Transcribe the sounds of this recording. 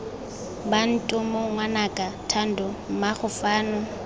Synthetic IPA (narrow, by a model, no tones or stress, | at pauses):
ban̩tʼʊmoŋwanakʼatʰan̩dʊm̩maχʊfaːnʊ